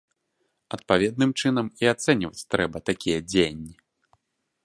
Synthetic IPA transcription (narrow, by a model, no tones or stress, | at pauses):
ɐt̪̚pavʲɛd̪̚nɨmt͡ʂɨn̪ɐmiat̪sɛnʲivɐt͡sʲt̪ɾɛbɐt̪akʲijɐd͡zʲejɐnʲːi